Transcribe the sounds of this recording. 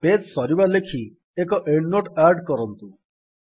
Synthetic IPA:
petsɔɾibalekʰi | ekɔʔeɳnoʈaɾɖkɔɾɔnt̪u

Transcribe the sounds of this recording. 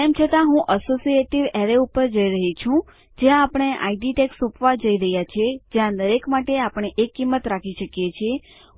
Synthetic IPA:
emt͡ʃʰət̪ãɦũʔəsosieʈiʋeɾeupəɾd͡ʒəiɾəɦit͡ʃʰũ | d͡ʒeãːpəɽ̃eʔa̰iɖiʈeksupʋad͡ʒəiɾəɦjat͡ʃʰed͡ʒeãd̪əɾekmaʈeapəɽ̃eʔekːimːət̪ɾakʰiʃəkjet͡ʃʰie

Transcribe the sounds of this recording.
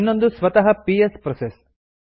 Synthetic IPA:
nːo̞nd̪usʋɐt̪ɐɦɐpiespɾɔses

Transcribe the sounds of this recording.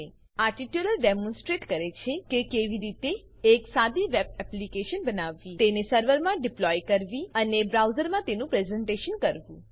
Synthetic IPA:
e | aʈiʈjuləɾɖemɔ̃nsʈɾeʈkəɾet͡ʃʰekekeʋiɾit̪eː | ksad̪iʋeb̚ɛplikeʃənbənaʋːit̪enesəɾʋəɾmãɖɪplɔjkəɾʋiənebɾawzəɾmãt̪enũpɾezɛ̃ɳʈeʃənkəɾʋũ

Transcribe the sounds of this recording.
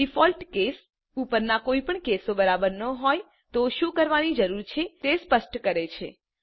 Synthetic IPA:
ɖifɔlʈkes | upəɾnakoipəɳkesobəɾabəɾnəɦɔj | t̪oʃũkəɾʋanid͡ʒəɾuɾt͡ʃʰet̪espəsʈkəɾet͡ʃʰḛ

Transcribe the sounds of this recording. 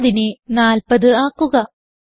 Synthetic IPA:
ðinenaːlpɐðɨaːkːuɣɐ

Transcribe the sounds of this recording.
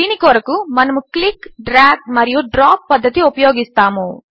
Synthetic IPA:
inikɔːɾɐkumɐnɐmuklikɖɾaːɡ̚mɐɾijuɖɾaːpːɐd̪ʱːɐt̪iupɐjoːɡist̪aːmu

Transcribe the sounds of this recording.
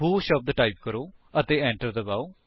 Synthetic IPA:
ɦuːʃəp̚d̪əʈaːip̚kəɾoːət̪eːɛ̃ːɳʈəɾd̪əbaːoː

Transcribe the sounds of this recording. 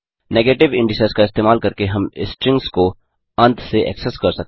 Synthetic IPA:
neːɡeːʈɪʋɪ̃ɳɖɪseskaɪst̪eːmaːlkɐɾkeɦɐmɪsʈɾɪ̃ŋksko | ɐ̃nt̪ʰseʔɛ̰ksɛskɐɾsɐk̚t̪

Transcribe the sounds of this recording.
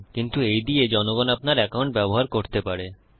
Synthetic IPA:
kint̪uejd̪ied͡ʑɔnoɡɔnapnaɾɛkawɳʈbɛboɦaɾkoɾt̪epaɾe

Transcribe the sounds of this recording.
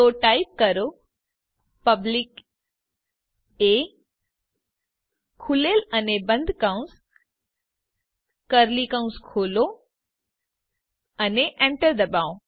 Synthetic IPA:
t̪oːʈaːjip̚kəɾo | pəblik | e | kʰuleːlɐnebə̃nd̪ʱkaũs | kəɾlikãũnskʰoːlo | ɐneʔẽɳʈəɾd̪ɐbaːõ

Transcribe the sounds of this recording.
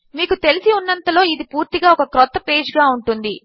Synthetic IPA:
miːkut̪e̞lisiunːɐnt̪ɐlo̞ːid̪ipuːɾt̪iɡaːɔkɐkɾɔt̪ːɐpe̞ːd͡ʒɡaːuɳʈund̪i

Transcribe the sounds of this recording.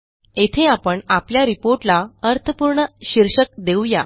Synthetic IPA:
et̪ʰeapəɳapljaɾipoɾʈlaəɾt̪ʰəpuɾɳəɕiɾɕək̚d̪ewja

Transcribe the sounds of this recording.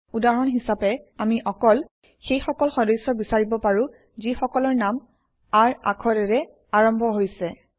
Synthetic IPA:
udaɹɔnɦisapɛamiʔɔkɔl | xejxɔkɔlxɔdɔjsɔbisaɹibɔpaɹũ | zixɔkɔlɔɹnam | aɹa̰kʰɔɹɛɹɛ | aɹɔmbʱɔɦojsɛ

